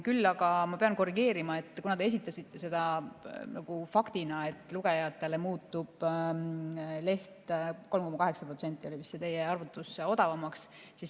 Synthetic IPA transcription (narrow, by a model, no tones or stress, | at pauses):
kylːɑɡ̥ɑmɑpe̞ɑnko̞rːiɡe̞ːɾimɑe̞t̪ːˑkunɑd̪ees̬it̪ːˑɑsit̪ːe̞se̞d̪̥ɑnɑɡ̥ufɑkt̪inɑe̞t̪ːˑluɡ̥e̞jɑt̪ːˑe̞le̞muːt̪ːub̥ | le̞ht̪ko̞lmko̞mɑkɑɦe̞ksɑprot̪se̞nt̪ːˑio̞livist̪set̪e̞jːeɑrvut̪ːˑuso̞d̪ɑvɑmɑks | sis